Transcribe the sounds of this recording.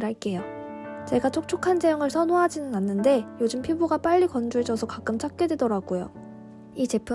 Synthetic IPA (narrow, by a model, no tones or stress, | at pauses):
ɾɦaɭk͈e̞jo | t͡ɕe̞ɡat͡ɕʰok̚t͡ɕʰokʰand͡ʑejʌŋɯɭsʰʌnoɦad͡ʑinɯnanːɯnde̞jod͡ʑɯmpʰjiboɡap͈aʎːikʌnd͡ʑuɭd͡ʑʌsʰʌkak͈ɯmt͡ɕʰak̚k͈e̞dwe̞dʌɾaɡujo̰ | it͡ɕe̞pʰu